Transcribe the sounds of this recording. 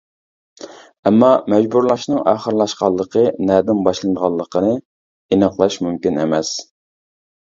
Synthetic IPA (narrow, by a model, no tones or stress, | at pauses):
ɛmːɑmɛd͡ʒbuɾlˠɑʃnɨŋɑ̰χəɾlˠɑʃqɑlˠːəqʰənɛːd̪ɪnbɑʃlˠɨnd̪əʁɑlˠːəqʰənɨ | inɑqlˠɑʃmymkʲinḛmɛs